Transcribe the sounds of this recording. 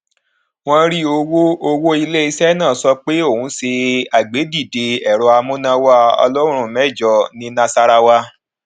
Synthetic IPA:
w̃ɔ̃˦ɾi˦o˧wo˦o˧wo˦i˧le˦i˧sɛ˦nãː˦˨sɔ˧k͡pe˦o˦˨ũ˨˦se˧a˨ɡ͡be˨˦di˦˨de˨ɛ˨ɾɔ˧a˧mũ˦nã˧wa˦ɔ̰˧lɔ˦ɾ̃ũ˦ũ˦˨mɛ˦˨d͡ʒɔ˧nĩ˧˦nã˧sa˧ɾa˧wa˧

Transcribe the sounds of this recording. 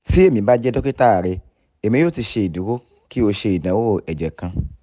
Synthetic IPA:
si˦e˦˨mĩ˨ba˦d͡ʒɛ˦dɔ˦ki˦ta˦a˨ɾe˧ | e˨mĩ˧˦jo˦˨ti˧ʃe˧i˨du˨ko˦ | ki˦o˧ʃe˧i˨dã˨wo˦˨ɛ˨d͡ʒɛ˨kã˧

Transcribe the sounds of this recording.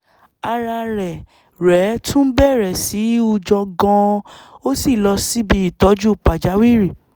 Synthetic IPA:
a˧ɾa˧ɾɛ˨ | ɾɛ˨˦tũ˦bɛ˦˨ɾɛ˨si˨˦u˧d͡ʒɔ˧ɡɔ̃˧o˦si˦˨lɔ˧si˦bi˧i˦˨tɔ˨˦d͡ʒu˦˨pa˨d͡ʒa˨˦wi˦˨ɾi˦˨

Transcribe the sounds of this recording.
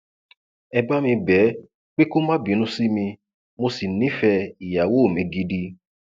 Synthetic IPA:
ɛ˧ba˦mĩ˧bɛ˨˦ | k͡pe˦ko˦mã˦bi˨˦nũ˦si˦mĩ˧ | mo˧si˨nĩ˨˦fɛ˧i˨ja˨wo˦˨mĩ˨˦ɡi˧di˧

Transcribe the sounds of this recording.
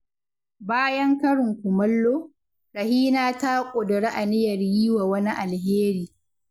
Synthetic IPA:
baː˦jɐ˦ŋkɐ˦ɽɪ˨ŋkʷʊ˨mɐ˦lːoː˦ | ɾɐ˨hiː˦naː˦ta˦kʷʼʊ˨dʊ˨ɽe˦ʔa˨nɪ˦jɐ˨rjiː˦waː˨wɐ˦ni˦ʔa˨lɦeː˦ɾiː˨

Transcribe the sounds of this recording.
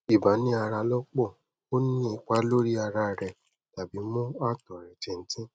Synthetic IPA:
i˨ba˨˦nĩ˨˦a˧ɾa˧lɔ˦k͡pɔ˦˨ | o˦nĩ˦i˨˧k͡pa˦lo˦ɾi˦a˧ɾa˧ɾɛ˧˨ | ta˨bi˨˦mɔ̃˦a˦˨tɔ˨ɾɛ˨tɛ˨˧n̩˦tĩ˦

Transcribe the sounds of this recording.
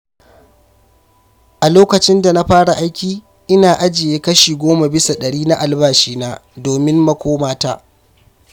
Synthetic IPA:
ʔa˨loː˦kɐ˨t͡ʃɪ˦nda˨na˦ɸaː˦ɽa˨ʔa˦jkʲiː˨ | ʔɪ˦naː˨ʔa˦d͡ʒɪ˨jeː˦kɐ˦ʃiː˨ɡʷoː˦ma˨bɪ˦sa˨ɗɐ˨ɽiː˦na˦ʔa˨lbaː˦ʃiː˦na˦doː˨mɪ˦mmɐ˦kʷoː˦maː˦ta̰ː˦

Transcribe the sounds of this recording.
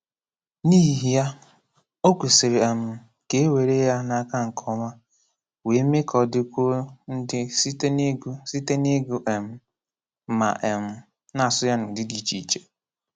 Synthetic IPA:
niː˦ɦi˨ja˦ | o˦kʷe˨si˨ɾe˨e˨m̩˨ | ke˦e˦we˨ɾe˦ja˦na˦˨ka˦ŋ̩˨kʰɔ˦ma˦ | we˨˦me˦kʰɔ˨dɪ˦kʷo˦n̩˦dɪ˦si˦tsi˦te˦ne˦ɡu˦ʔe˨m̩˦ | ma̰˨ʔe˨m̩˦ | na˨sʊ˦ja˦nʊ˨dɪ˦di˨˦˨t͡ʃi˦˨i˨t͡ʃe˦

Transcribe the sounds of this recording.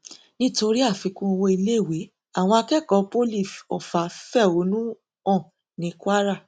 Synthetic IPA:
nĩ˦to˧ɾi˦a˦˨fĩ˧kũ˦o˧wo˧i˧le˦˨we˨˦ | a˦˨w̃ɔ̃˧a˧kɛ˦˨kɔ˨˧po˦li˦˨fɔ˨fa˨˦fɛ˦˨o˨˦nũ˦ | ɔ̃˦˨ | nĩ˧˦kwa˦ɾa˦˨

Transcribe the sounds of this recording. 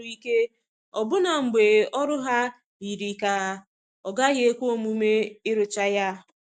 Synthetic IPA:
i˦ke˦ | ɔ˨bʊ˦na˨ŋ͡m̩˨ɡ͡be˨ɔ˦ɾʊ˦ɦa˦ | i˨ɾi˨ka˨˦ | ɔ˨ɡa˦ɣɪ˦e˦kʷo˦o˨mu˦me˦ɪ˦ɾʊ˨t͡ʃa˦ja˦˨

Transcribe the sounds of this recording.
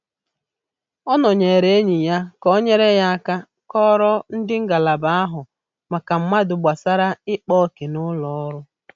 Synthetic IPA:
ɔ˦nɔ˨ɲe˨ɾe˨˦e˦ɲi˨ja˦kɔ˦ɲe˦ɾe˦ja˦a˦ka˦ | kɔ˦ɾɔ˦n̩˦dɪ˦ŋ̩˦ɡa˨la˨ba˦a˦ɦʊ˨ | ma˨ka˨m̩˦ma˦dʊ˨ɡ͡bʷa˨sa˦ɾa˦ɪ˦k͡pɔ˦ke˨nʊ˦lɔ˨ɔ˦ɾʊ˦

